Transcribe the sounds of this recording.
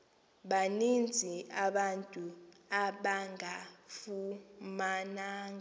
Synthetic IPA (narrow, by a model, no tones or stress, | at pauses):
ɓanind͡zʱiaɓantʼu | aɓaŋafumanaːŋa